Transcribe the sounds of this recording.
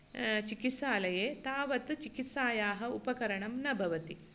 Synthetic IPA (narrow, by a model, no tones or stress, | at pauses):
t͡ʃikisaːlɐjeːt̪aːʋɐt̪t͡ʃikit̪saːjaːɦɐupɐkɐɾɐɳɐmnɐbʱɐʋɐt̪i